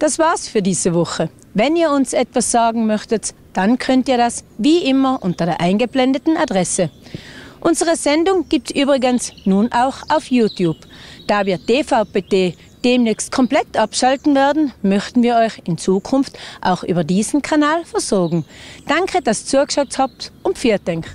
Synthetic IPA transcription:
d̥asvaːɐsfyːɐdiːzəvʊχə | vɛniːɐʊnsɛtv̥asz̥aːɡŋ̩mœçtət | d̥ankʰœntiːɐdasviːʔɪmɐʔʊntɐdeːɐʔaɪnɡəblɛndətn̩adʁɛsə | ʔʊnzəʁəzɛndʊŋɡ̥iːp̚tsʔyːbʁɪɡənsnuːnʔaʊxʔaʊfjuːtʰjuːbd̥aːviːɐd̥eːfaʊpeːdeː | d̥eːmnɛːçst̚kʰɔmplɛtʔapʃaltn̩vɛɐdn̩mœçtn̩viːɐɔʏçɪnt͡suːkʰʊnftʔa̰ʊxʔyːbɐdiːzn̩kʰanaːlfɛɐzɔɐɡŋ̩d̥aŋkʰəd̥ast͡suɐkʃɛk̚thap̚tʊnfiːɐtd̥ɛŋk

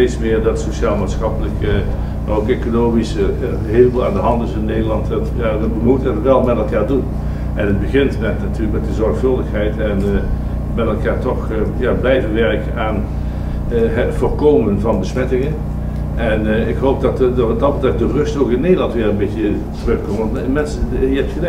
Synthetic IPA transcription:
ejtsmɪːɹdɑtsoʃaːlˠmaːtsxɑpələkə | maokekonoːmis | ɦeɪləbulˠaːndəɦɑntɪsɪnːejdəlˠɑntətjaːʋəʋəmutəətʋɛlˠmɛtɛlˠkaːɹdun | ʔɛnɦəd̚bəɣɪntmɛtnatyːləkmɛtəzɔɹxfɵlˠdəxɦɛjtɛn | mɛtɛlˠkaːɹtɔxəjaːblɛjvəʋɛɹkənaːn | ɦtv̥oːɹkoːwmənvɑnbəsmɛtɪŋən | ʔɛnɪkɦowp̚dɑtdɑtdɑətɛkdərɵstokɪnːejdəlɑntʋɪːrənbetjə | trɵxkɔtʋɑntmɛnsəjəɛp̚tχəlɛ

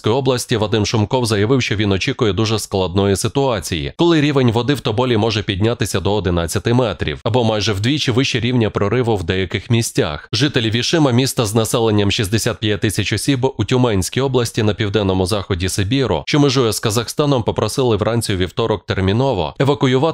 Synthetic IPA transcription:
sʲkɔjɔblˠɐsʲtʲiʋɐd̪ɪmʃʊmkɔwzɐjɐʋɪwʃt͡ʃɔʋʲinɔt͡ʃikʊjɛd̪uʒɛsklˠɐd̪nɔjisɪt̪ʊɑt͡sʲijḭkɔlˠɪɾʲiʋenʲʋɔd̪ɪwt̪ɔbɔlʲimɔʒɛpʲid̪ʲnʲat̪ɪsʲɐd̪ɔːd̪ɪnat͡sʲːɐt̪ɪmɛt̪ɾʲḭwɐbɔmɑjʒɛwd̪ʲʋʲit͡ʃiʋɪʃt͡ʃɛɾʲiwnʲɐpɾɔɾɪʋʊwd̪ɛjɐkɪxmʲisʲtʲa̰xʒɪt̪elʲiʋʲiʃɪmɐmʲist̪ɐznɐsɛlˠenʲːɐmʃizʲd̪esʲat̪̚pʲjɐtʲt̪ːɪsʲɐt͡ʃɔsʲibutʲʊmɛnʲsʲkʲijɔblˠɐsʲtʲin̪ɐpʲiwd̪ɛnːɔmʊzɑxɔdʲisɪbʲiɾʊ̰ʃt͡ʃɔmɪʒɔjɛskɐzɐxst̪ɑnɔmpɔpɾɔsɪlˠɪʋɾʔanʲt͡sʲijʊʋʲiwt̪ɔɾɔk̚t̪ermʲinɔʋɔ̰ɛʋɐkʊjʊʋɑ

